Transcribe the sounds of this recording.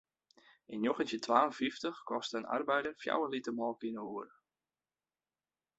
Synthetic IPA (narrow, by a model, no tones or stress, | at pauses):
ʔɪnjoxəntjətʰʋaːənfiftəxkɔstəəna̰rbɛjdərfja̰wənlitəmɔːlˠkinəuərə